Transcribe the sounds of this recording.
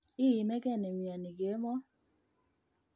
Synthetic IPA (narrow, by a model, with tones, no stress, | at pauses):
i˦˨ji˨mɛ˦kɛ˦˨nɛ˨mja˨ni˨ke˨˦mɔ˦